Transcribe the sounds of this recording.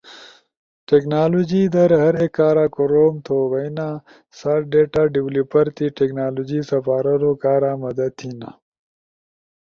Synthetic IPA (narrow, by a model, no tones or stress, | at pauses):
ʈeknaːlod͡ʒid̪ɐɾɦɐɾekaːɾaːkoɾoːmt̪ʰoːʋɐjna | saːʈ̚ɖeːʈaːɖiwlupɐɾt̪iʈeknaːlod͡ʒisɐfaːɾɐɾokaːɾãmɐd̪ɐt̪ʰina̰